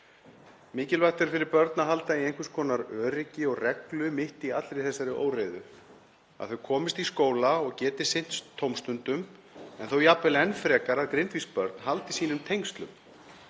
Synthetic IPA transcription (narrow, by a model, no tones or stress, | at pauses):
mɪːcɪlvaxt̪ɛɾfɪɾɪɾpœɾt̪naɦalt̪aiejŋkvʏskʰɔːnaɾœːɾɪcɪɔɣrɛklʏmɪht̪iat̪lɾɪθɛsaɾɪʔo̰ːwrejðʏ̰ | a̰ðθʏkʰɔːmɪst̪iskoːwlaɔɣcɛːt̪ɪ̥sɪn̥t̪st̪ʰːowmst̪ʏnt̪ʏm | ɛ̰nθowjapːɛlɛnfɾɛːkaɾaðkɾɪnt̪vispœɾt̪̚nhalt̪isiːnʏmt̪ʰejŋkst̪lʏ̰m